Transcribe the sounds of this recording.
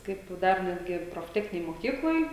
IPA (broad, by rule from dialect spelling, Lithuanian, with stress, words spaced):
ˈkɐɪp ˈdɐr ˈnʲæːdʲɡʲɪ proːfʲˈtʲæːxʲnʲɪnʲeːj moːˈkʲiːklˠoːj